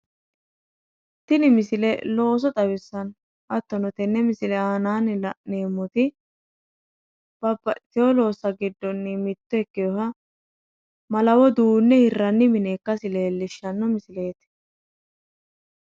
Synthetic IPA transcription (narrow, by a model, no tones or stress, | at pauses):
t̪ɪnɪmɪsɪlɛlo̞ːs̬ɔt̪ʼɐwɪsːɐn | ʔɐt̪ːɔnɔt̪ɛnːɛmɪsɪlɛaːnaːnlɐneːmːɔt̪ɪ | b̥ɐbːɐʔɪt̪ɪjɔlo̞ːsːɐɡɪd̪ːɔnːɪmɪt̪ːɔɛkːɪjɔhɐ | mɐlɐwɔd̪uːnːɛhɪrːɐnːɪmɪneːkːɐsɪleːlːɪʃːɐnːɔmɪsɪle̞ːt̪